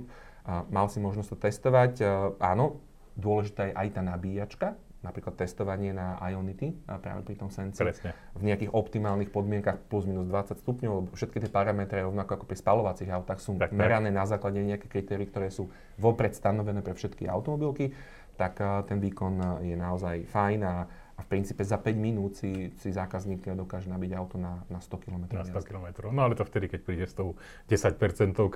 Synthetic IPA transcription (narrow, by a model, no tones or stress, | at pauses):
malsimɔʒnɔst̪ɔ̥t̪ɛst̪ɔʋacʔa̰ːnɔ | d̪ʊɔlɛʒit̪aːjɛʔajt̪aːnabiːjat͡ʃka | napɾiːklat̪ːɛst̪ɔʋaɲɪɛnaa̰jɔnit̪ipɾa̰ːʋɛ̰pɾit̪ɔmsɛnt͡sivɲɛakiːɣɔpt̪imaːlnixpɔd̪mɪɛŋkaxpluzmiːnuzd̪ʋat͡sːacst̪upɲɔʊlɛbɔfʃɛt̪̚kit̪ɪɛpaɾamɛt̪ɾɛɾɔʋnakɔakɔ̥pɾispalɔʋat͡siɣaʊt̪aːxsuːmɛɾanɛːnazaːklaɟɛɲɛakɛkɾit̪ɛːɾiːkt̪ɔɾɛːsuː | ʋɔpɾɛt̪st̪anɔʋɛnɛːpɾɛfʃɛt̪kia̰ʊt̪ɔmɔbilki | t̪akt̪ɛnʋiːkɔnjɛnaɔzajfajnaː | fpɾint͡siːpɛzapɛɟminuːt̪sisizaːkazniːp̪lɪad̪ɔkaːʒɛnabiɟaʊt̪ɔnanast̪ɔkilɔmɛt̪ɾɔakilɔmɛt̪ɾɔʊnɔalɛt̪ɔft̪ɛd̪ikɛc̚pɾiːɟɛst̪ɔʊ | ɟɛsac̚pɛɾt͡sɛnt̪ɔʊ